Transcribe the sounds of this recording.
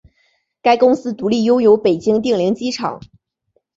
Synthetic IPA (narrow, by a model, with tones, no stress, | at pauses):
ka˥ɪkʊ˥ŋsɹ̩˥t̪u˧˥li˥˩jo˥ʊjo˧˥ʊpe˨˩ɪt͡ɕi˥ŋt̪̬i˥˩ŋli˧˥ŋt͡ɕi˥ʈ͡ʂʰɑ̰˨˩˦ŋ